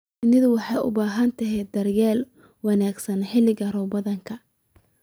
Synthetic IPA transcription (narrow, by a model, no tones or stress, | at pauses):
ɪnɪðʊwɑħɑjʊ̰baːɦɐnt̪ʰɐɦɛjd̪ɐrjaːl | wɑnaːɡsɐnħɪlɪɣɐrɔːbɐðɐŋkʰɐ